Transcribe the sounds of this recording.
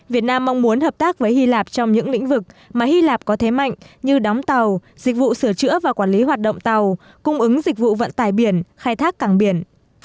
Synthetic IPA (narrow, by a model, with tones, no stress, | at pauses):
vi˨˩ət̚naː˧mːa˧wŋ͡mmu˨˦ənhəː˨˩p̚t̪aː˦˥k̚vəː˨˦jhi˧laː˨˩p̚t͡ɕɔ˧wŋ͡mɲɨ̰˧˥ŋlḭ̈˧˥ŋ̟vɨ˨˩k̚maː˨˩hi˧laː˨˩p̚kɔ˨˦t̪ʰe˨˦ma̰˧˨jŋ̟ɲɨ˧ɗɔ˨˦wŋ͡mt̪a˨˩w | zï˨˩k̟̚vṵ˧˨sɨ˧˩ət͡ɕɨ̰˧˥əvaː˨˩kwaː˧˩nli˨˦ɦwaː˨˩t̚ɗə̰˧˨wŋ͡mt̪a˨˩w | kʊ˧ŋ͡mʔɨ˨˦ŋzi˨˩k̟̚vṵ˧˨və̰˧˨nt̪aː˨˩jɓi˧˩ənxaː˧jt̪ʰaː˦˥kːaː˧˩ŋɓi˧˩ən